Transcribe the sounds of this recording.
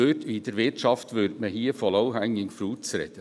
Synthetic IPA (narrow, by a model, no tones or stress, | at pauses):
øːtʰid̥̪əɾʋɪtʃɑft̪ʋʏɾdməhiːəfɔlɔʊhæŋːɪŋfɾuːt͡sɾɛ̰d̪ə